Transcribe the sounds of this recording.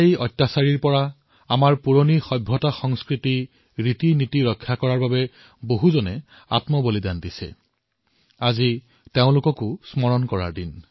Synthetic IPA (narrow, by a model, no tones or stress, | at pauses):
jɔjtːasaɹiɹpɔɹa | amaɹpuɹonixɔjbʱːɔtaxɔŋskɹiti | ɹitinitiɹɔkʰːakɔɹaɹbabɛ | boɦuzɔnɛ | a̰tmɔbolidantisɛ̰ | azi | teʊ̃lʊkɔkʊsmɔɹɔnkɔɹa̰ɹdin